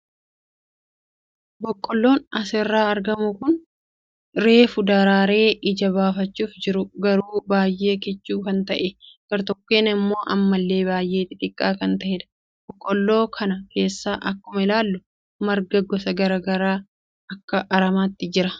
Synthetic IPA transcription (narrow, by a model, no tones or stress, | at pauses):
bɔkʼːɔlːo̞ːnɐsɛrːaːɐɾɡɐmʊkʊn | ɾe̞ːfʊd̪ɐɾaːɾe̞ːʔɪd͡ʒɐβaːfɐt͡ʃːuːfd͡ʒɪɾʊɡɐɾuːbaːjːe̞ːkɛt͡ʃːuːkɐnt̪ɐʔɛɡ̥ɐɾt̪ɔkːeːnɪmːo̞ːʔɐ̰mːɐlːe̞ːbaːjʔe̞ːt̪ːɪt̪ʼɪkʼːaːkɐnt̪ɐhɛd̪ɐ̥ | b̥ɔkʼːɔlːo̞ːkʰɐnɐke̞ːsːaːʔɐkːʊmɐɪlaːlːʊ | mɐɾɡɐɡɔsɐɡɐɾaːɡɐɾaː | ɐkːɐʔɐɾɐmaːt̪ːɪd͡ʒɪɾɐ